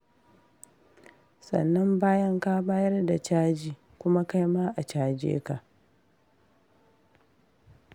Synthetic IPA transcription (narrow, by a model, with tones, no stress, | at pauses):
sɐ̰˨nːɐ˦mbaː˦jɐ˦ŋka˦baː˦jɐ˦rda˨t͡ʃaː˦d͡ʒiː˨ | kʷʊ˦ma˦ka˦jmaː˦ʔa˨t͡ʃaː˦d͡ʒḛː˦ka˨ʔ